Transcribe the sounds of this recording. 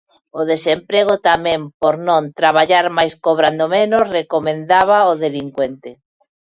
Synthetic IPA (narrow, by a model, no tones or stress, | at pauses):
oðesempɾeɣ̞ot̪amẽmpoɾnõnt̪ɾaβaʎaɾmajskoβɾand̪omẽnosrekomẽnd̪aβ̞aoðeliŋkwent̪e